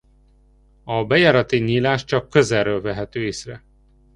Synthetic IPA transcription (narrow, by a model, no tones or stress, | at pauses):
ɒbɛjaːɾɒt̪iɲiːlaːʃt͡ʃɒkːø̞zɛrːøːlvɛɦɛt̪øːeːsrɛ